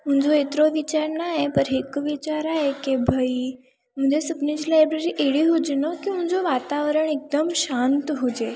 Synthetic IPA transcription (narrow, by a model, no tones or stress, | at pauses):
m̤ənd͡zoet̪ɾoʋit͡ɕaɾnajepəɾɦekʋit͡ɕaɾaɦekebʱəi | m̤əɲd͡ʑesəpnĩd͡ʑilajbɾeɾiːʔeɽiːɦod͡ʑnəkim̤ə̃nd͡zoʋat̪aʋɾəɳek̚d̪əmɕant̪ɦod͡ʑe